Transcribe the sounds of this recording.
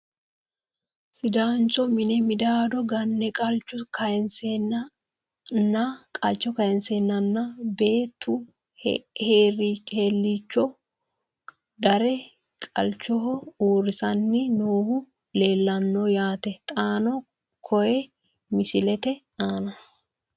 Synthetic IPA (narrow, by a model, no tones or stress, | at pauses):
sɪd̪aːnt͡ʃɔmɪnɛmɪd̪aːd̪ɔɡɐnːɛkʼɐlt͡ʃːʊkʰɐɛnsenɐ | nːɐkʼɐlt͡ʃːɔkɐjɛnseːnːɐnːɐbe̞ːt̪ːʊ | heːɾit͡ʃheːlːiːt͡ʃːɔ | d̪ɐɾɛ | kʼɐ̰lt͡ʃːɔɦɔuːɾɪsɐnːɪnoːhʊ | le̞ːlːɐnːɔjaːt̪ɛt̪ʼaːnɔ | kʰɔjɛ | mɪsɪlɛt̪ɛ | aːnɐ